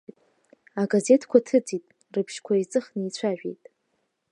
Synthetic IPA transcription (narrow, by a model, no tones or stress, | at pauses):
tʼ | aɡaze̞tʰkʷʰatʰɨd͡zʼitʼ | rɨpʰʃkʷʰait͡sʼɨχnit͡sʷʰaʒᶣe̞̰jtʼ